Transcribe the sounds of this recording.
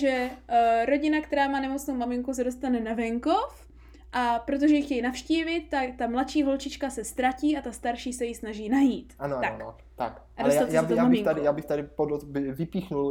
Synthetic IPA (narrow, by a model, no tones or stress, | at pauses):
ʒɛɾo̞ɟɪnakt̪ɛɾaːmaːnɛmo̞t͡snowmamɪŋkus̬ɛdo̞st̪anɛnavɛŋko̞f | ʔapɾo̞t̪̬oʒɛjɪxcɛjnafʃciːvɪt̪ːakt̪amlat̪ʃiːɦo̞lt͡ʃɪt͡ʃkasɛst̪ɾaciːat̪ast̪aɾʃiːsɛjɪsnaʒiːnajiːt̪ʔanoat̪aon | t̪a̰kʔadaloɛsjaajːɛoaːmabɪŋkt̪adɪjaːbɪxt̪adɪpodot̪ɪvɪpiːxnul